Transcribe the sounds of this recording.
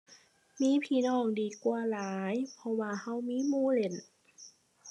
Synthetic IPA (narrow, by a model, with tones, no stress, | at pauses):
miː˧˥˨pʰiː˧˨nɔː˧˥˩ŋdiː˨˩kwaː˧laː˨˦jpʰɔ˧waː˧ha˧˥˩wmiː˧˥˨muː˧˥˨le˧˩n